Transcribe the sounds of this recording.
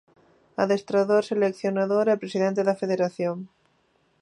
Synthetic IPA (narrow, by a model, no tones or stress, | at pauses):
aðest̪ɾaðoɾselekθjonaðoɾɛpɾesiðẽnt̪eðɐfeðeɾaθjoŋ